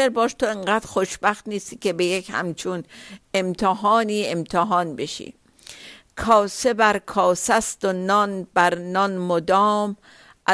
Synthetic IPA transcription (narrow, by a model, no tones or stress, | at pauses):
eɾbɒːʃt̪ʰoeŋɢæːd̪̥xoʃbæxt̪niːst̪iːkebejekhæ̰mt͡ʃʰunemt̪ʰeɦɒːniːemt̪ʰeɦɒːnbeʃḭː | kʰɒːsebæɾkʰɒːsæst̪onɒnbæɾnɒnmod̪ɒːm | ʔæ